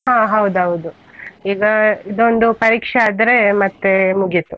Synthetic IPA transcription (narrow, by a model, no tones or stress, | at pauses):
ɦãːɦɐwd̪uɦɐwud̪u | iːɡɐid̪o̞nd̪upɐɾiːkʂeaːd̪ɾemɐt̪ːemuɡit̪ːu